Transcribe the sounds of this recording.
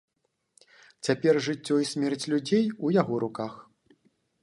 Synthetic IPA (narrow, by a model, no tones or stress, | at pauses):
t͡sʲapʲɛrʐɨt͡sʲːɔisʲmʲɛrt͡sʲlʲud͡zʲejujaɣɔɾʔukax